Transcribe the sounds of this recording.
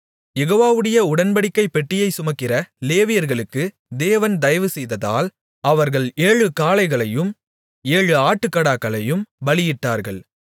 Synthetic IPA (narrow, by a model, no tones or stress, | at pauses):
jɛɣoːʋaːʋɯɽɐjɐʊɽɐnbɐɽɪkːɐɪpːɛʈːɪjɐɪsʊmɐkːɪrɐleːʋɪjɐɾɣɐɭɯkːɯ | d̪eːʋɐnd̪ɐjɐʋɯsɛjðɐða̰ːl | ɐʋɐɾɣɐɭeːɻɯkaːlɐɪɣɐɭɐjɯm | eːɻɯaːʈːɯkːɐɽaːkːɐɭɐjɯmʋɐɭɪjɪʈːaːɾɣɐɭ